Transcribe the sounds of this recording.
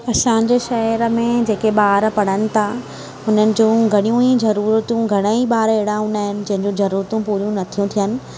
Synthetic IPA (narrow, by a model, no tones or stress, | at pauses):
ɐsãɲd͡ʑeːʃɐɾəmẽd͡ʑeːkeɓaːɾpɐɽ̤̃ənɪ̆t̪ʰa | ɦʊnənɪ̆d͡ʑũɡʱɐɽ̃ijũizɐɾuːɾət̪ũɡʱɐɽ̃əiɓaːɾeːɽãɦʊ̃naːɦɪnɪ̆d͡ʑɐ̃ɦɪ̃ɲd͡ʑũzɐɾuːɾət̪ũpuːɾijũnɐt̪ʰijũt̪ʰijənɪ̆